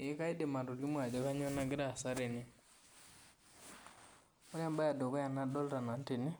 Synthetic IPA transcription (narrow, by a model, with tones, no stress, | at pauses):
e˨˦ka˦i˦de˨ma˨ɾo˨li˦mwa˨d͡ʒo˦ka˦ɲo˦na˦ɡe˦ɾa˦˨sa˦ɾe˨ni˦ | o˦ɾja˦mba˦ja˨do˨ka˦ja˨na˦dɔ˦lta˨na˨nte˨ne˦